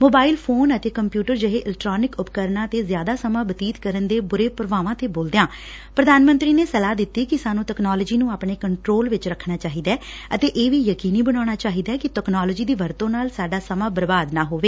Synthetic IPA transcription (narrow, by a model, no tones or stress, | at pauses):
moːbaːɪlpʰoːnət̪eːkəmpjuːʈəɾd͡ʒəɦeːʔɪlk̚ʈɾaːnɪkʊpkəɾnãːt̪eːzjaːd̪aːsəmãːbət̪iːt̪kəɾənd̪eːbʊɾeːpəɾʋaːʋãːt̪eːboːld̪ejãː | pɾəd̪aːnmə̃nt̪ɾiːneːsəlaːd̪ɪt̪ːiːkɪsaːnũːʈɛknaːləd͡ʒiːnũːaːpɳeːkəɳʈɾoːlʋɪt͡ʃɾəkʰːnaːt͡ʃaːɦiːd̪aɛː | ət̪eːʔeːʋiːjəkiːniːbəɽaːɽ̃aːt͡ʃaːɦiːd̪aːkɪʈɛknaːləːd͡ʒiːd̪iːʋəɾt̪õːnaːlsaːɖaːsəmãːbəɾbaːd̪naːɦoːʋeː